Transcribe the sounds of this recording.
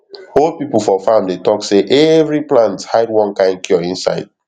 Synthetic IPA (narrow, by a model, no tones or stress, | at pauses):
olpipl̩ˠfɔfãmdetɔkseʔɛvɹiplãnthaɪdwɔ̃nkãɪ̃ndkʰjɔĩnsa̰ɪd̥̚